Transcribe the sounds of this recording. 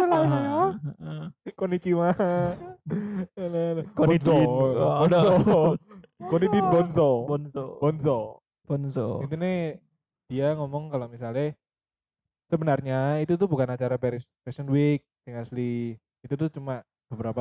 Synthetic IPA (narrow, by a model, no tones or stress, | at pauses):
alalajɔ | konit͡ʃima | alalkobɔnsɔbɔsɔ | konidinbɔnsɔbɔnsɔbɔnsɔ | b̥ɔnsɔ̰int̪unɪh | d̥iaŋɔmɔŋkalomisalnɪh | səbənarɲait̪ut̪ʊhbukanat͡ʃaɾapɛɾɪspɛsənwik̚sɪŋasli | it̪ut̪ʊht͡ʃuma | b̥əbəɾapa